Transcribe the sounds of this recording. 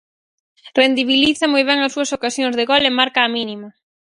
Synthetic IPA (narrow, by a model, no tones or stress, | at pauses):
rend̪iβiliθɐmojβ̞ɛŋɐsuɐsokasjoŋzðeɣolemaɾkaːminimɐ